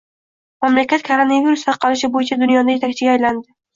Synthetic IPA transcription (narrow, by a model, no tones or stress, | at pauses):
mamlakʲat̪̚kʰoɾonaviɾust̪ʰɑɾqʰɑlɪʃ̬ɪbojɪt͡ʃʰad̪ʊnjɒd̪aje̞t̪ʰak̚ʲt͡ʃʰɪɡʲaːjland̪ɪ